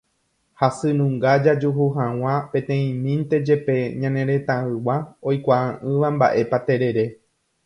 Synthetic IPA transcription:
hasɨnũŋɡad͡ʒad͡ʒuɦuɦãw̃ãpẽ̞t̪ẽ̞ĩmĩnt̪e̞d͡ʒe̞pe̞ɲãnẽ̞ɾe̞t̪ãɨwao̞jkʷaʔãʔɨ̃ʋamba̰ʔe̞pat̪e̞ɾe̞ɾe̞

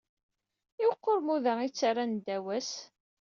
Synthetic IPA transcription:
iwqːoɾˤmuðæit͡sːaɾand̪æwæs

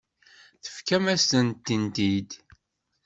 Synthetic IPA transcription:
θə̥fkæmæst̪ənt̪ːint̪id̪

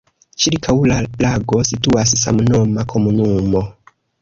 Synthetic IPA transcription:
t͡ʃiɾkʰawlalaɡo̞situassa̰mno̞makʰo̞munumo̞

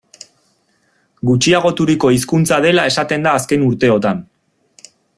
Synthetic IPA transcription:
ɡut͡ʃiaɣ̞o̞t̪uɾiko̞iskunt͡sað̞e̞lae̞sat̪e̞nd̪aːske̞nuɾt̪e̞o̞t̪an

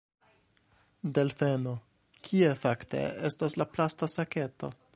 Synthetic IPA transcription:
de̞lfe̞no | kʰie̞fakte̞̰estaslaplastasake̞to̞̰

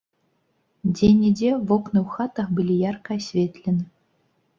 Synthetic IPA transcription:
d͡zʲenʲid͡zʲevɔknɨwxat̪ɐxbɨlʲijarkɐɐsʲvʲet̪lʲɛnɨ

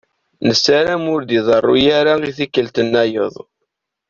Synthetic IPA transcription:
nəsːaɾæmʊɾd̪iðˤɑrˤːṵjaɾaiθikːəlt̪ənːæjəðˤ

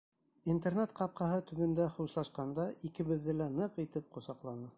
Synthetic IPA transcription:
int̪ernet̪qɑp̚qɑɦɤt̪ɵ̆βɘ̆nd̪æχuʃlˠɑʃqɑnd̪ɑʔikɘ̆βɘ̆ðːɘlænɤqit̪ɘp̚qŏsɑqlˠɑnɤ

